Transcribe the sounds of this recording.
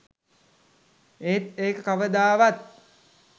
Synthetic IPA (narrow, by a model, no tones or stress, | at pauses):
et̪eːkəkaʋəd̪aːʋat̪̚